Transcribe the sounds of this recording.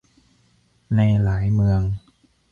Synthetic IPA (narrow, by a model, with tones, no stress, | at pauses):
na˧jlaː˩˦jmɯ˧əŋ